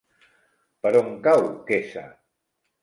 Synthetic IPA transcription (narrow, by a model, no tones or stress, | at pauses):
paɾoŋkawkesa̰